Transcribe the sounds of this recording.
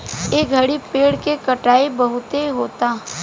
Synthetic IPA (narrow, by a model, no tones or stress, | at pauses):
eːɡʱɐɽipeːɽkekɐʈaːebɐɦʊt̪eɦoːt̪aː